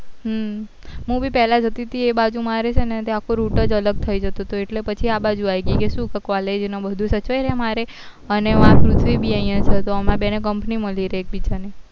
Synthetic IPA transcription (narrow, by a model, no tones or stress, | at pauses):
ɦ | ɦũbipɛɦlad͡ʒʱət̪it̪ʰiebad͡ʒumaɾet͡ʃʰenet̪eakʰoɾuʈəd͡ʒələɡ̚t̪ʰəid͡ʒət̪ot̪oeʈlepət͡ʃʰiabad͡ʒuajɡikesũkəkʋaled͡ʒnobəd̪ʱũsət͡ʃəjɾemaɾe | əneʋãkɾut̪ʰʋibʱiəɦĩjãt͡ʃʰet̪oəmãbenek̬əmpniməliɾeːk̚bit͡ʃani